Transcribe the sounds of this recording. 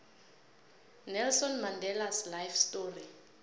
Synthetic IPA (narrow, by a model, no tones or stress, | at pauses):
nɛlsɔnmandɛlaslajfstoːri